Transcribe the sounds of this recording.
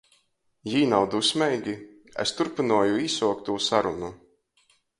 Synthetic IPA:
jiːnawd̪usmɛjɡʲi | ḛst̪uɾpinuɔjuisuɔk̚t̪uːsaɾunu

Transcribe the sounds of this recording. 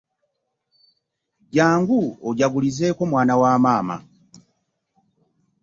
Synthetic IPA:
ɟaːŋɡuoɟaɡulize̞ːko̞mwaːnawaːmaːma̰

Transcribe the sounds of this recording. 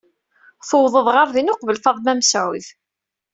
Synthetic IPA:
θəwðˤəðˤʁəɾðinʊqvəlθɑðˤmæmsʕʊð

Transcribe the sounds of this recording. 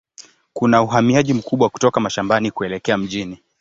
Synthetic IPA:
kunauɦamiaʄim̩kuɓwaku̥tɔkamaʃambanikuɛlɛkɛam̩ʄini

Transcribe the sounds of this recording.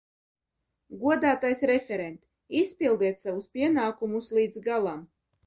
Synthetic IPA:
ɡuɔd̪aːt̪ajsɾɛfʲɛɾɛnt̪ʲ | ispʲilˠd̪iɛt̪savuspʲiɛnaːkumuslˠiːd̪zɡalˠam

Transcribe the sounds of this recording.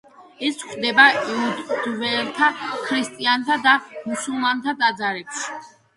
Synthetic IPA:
ɛsχd̪ɛbaɛud̪vɛlt̪ʰakʰɾist̪ʼiant̪ʰad̪amusulˠmant̪ʰad̪ad̪zaɾɛpʃi̥

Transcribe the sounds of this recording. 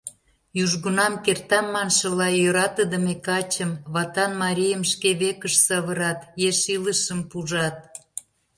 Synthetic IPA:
juʒɣunɑmkert̪ɑmːɑnʃə̆lɑjøɾɑt̪əd̪əmekɑt͡ɕəmβɑt̪ɑnmɑɾʲijəmʃkeβekəʃsɑβəɾɑt̪jeʃiləʃəmpuʒɑt̪̚

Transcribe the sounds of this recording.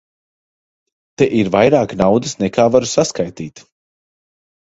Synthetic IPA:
t̪ɛʔiɾvajɾaːknawd̪ɨsnɛkaːvaɾusaskajt̪iːt̪

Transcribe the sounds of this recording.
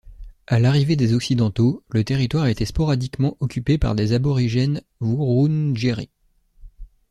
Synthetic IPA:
alaʁived̪ezɔksid̪ɑ̃t̪olət̪eʁit̪waʁaet̪espɔʁad̪ikmɑ̃ʔɔkʲypepa̰ʁd̪ezabɔʁiʒɛn | vuʁunʒeʁḭ

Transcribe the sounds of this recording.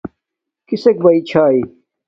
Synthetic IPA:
kisek̚bɐit͡ɕʰaːi

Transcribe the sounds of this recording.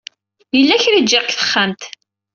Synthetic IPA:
jəlːæçɾid͡ʒːəkθə̥χːamt̪

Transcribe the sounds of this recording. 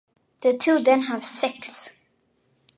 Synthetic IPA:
ðətʰuːðɛ̃nɦævsɪks

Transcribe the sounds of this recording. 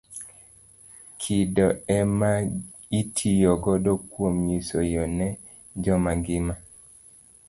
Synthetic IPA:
kʰidɔɛma | itʰijɔɡɔdɔkwomɲisojɔnɛ | d͡ʒɔmaɡɪma

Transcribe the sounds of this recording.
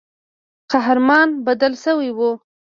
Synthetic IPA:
qaɦɾmɑnbad̪əlsəwijwu

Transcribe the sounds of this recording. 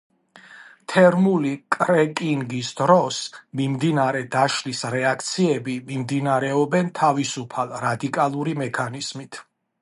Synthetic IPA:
t̪ʰɛɾmulikʼɾɛkʼiŋɡisd̪ɾɔsmimd̪inaɾɛd̪aʃlisɾɛakʰt̪sʰiɛbimimd̪inaɾɛɔbɛnt̪ʰavisupʰalˠɾad̪ikʼalˠuɾimɛkʰaniz̥mit̪ʰ

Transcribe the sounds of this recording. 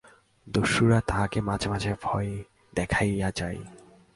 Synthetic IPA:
d̪oʃuɾat̪akemad͡ʑʱemad͡ʑʱeɾbʱɔe | d̪ɛkʰajad͡ʑaj

